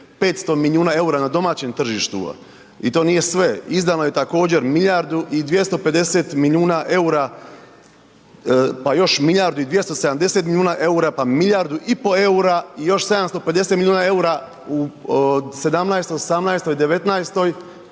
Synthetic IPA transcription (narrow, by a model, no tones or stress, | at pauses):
pe̞ːt̪st̪o̞miliuːnae̞uɾanad̪o̞maːt͡ɕemt̪r̩ʒiʃt̪ṵ | ḭt̪o̞ːnije̞sʋe̞izd̪anoje̞t̪ako̞ːd͡ʑe̞ɾmiʎʲjaɾd̪uʔid̪ʋje̞st̪o̞pe̞d̪e̞se̞t̪miljuːnaʔe̞uɾa | pajo̞ʃmiʎaɾd̪uid̪ʋje̞st̪ose̞d̪amd̪e̞se̞t̪miʎʲjuːnaʔe̞uɾapamiʎaɾd̪uʔipo̞e̞uɾaijo̞ʃse̞d̪amst̪o̞ped̪eset̪milʲʎjuːnae̞uɾa | u | se̞d̪amnajst̪oosamnajst̪o̞jd̪e̞ʋe̞t̪najst̪o̞j